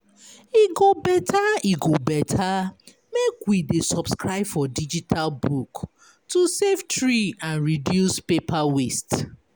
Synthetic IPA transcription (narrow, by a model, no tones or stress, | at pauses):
iɡobɛtʰaiɡobɛtʰa | mekwidesɔbskɹaɪbfɔdid͡ʒitʰalbuk | tusevtɹiãnɹidjuspepawest